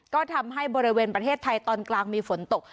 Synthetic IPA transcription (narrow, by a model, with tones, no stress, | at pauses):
kɔː˥˩t̪ʰa˧mɦa˥˩jbɔː˧ɾi˦˥weː˧npɾa˧t̪ʰeː˥˩t̪ʰːa˧jt̪ɔː˧nklaː˧ŋmiː˧fo˩˦nt̪o˨˩k̚